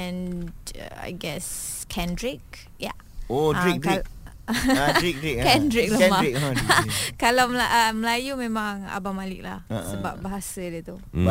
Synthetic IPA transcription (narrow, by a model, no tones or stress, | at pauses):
ɛ̃n̰ | a̰jɡɛskʰɛ̃ndɹik̚ | ja̰ | oaɹik̚d | ɹik̚dɹikkɛ̃ndɹik̚lãmaik | kalawməlaʔəməlajumɛ̃mãŋa̰bamalɪ̰k̚lahsəba̰p̚baɦasadɛt̪u